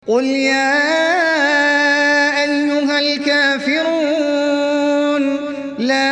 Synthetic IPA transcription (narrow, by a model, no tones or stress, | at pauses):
qʊljaː | ʔajːʊɦalkaːfɪɾuː | n | laː